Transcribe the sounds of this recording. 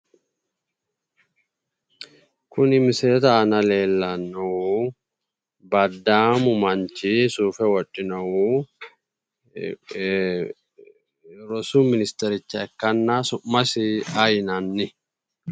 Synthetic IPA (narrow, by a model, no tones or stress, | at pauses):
kʊnɪmseːt̪ɐːnɐleːlːɐnːɐuː | bɐd̪ːaːmʊmɐnt͡ʃisuːfɛwɔt͡ʃʼːɪnɐwuː | ɾɔsuːmɪnɪst̪ɛɾɪt͡ʃːɐɛkːɐnːaːsʊmːɐsɪɐjnɐnːɪ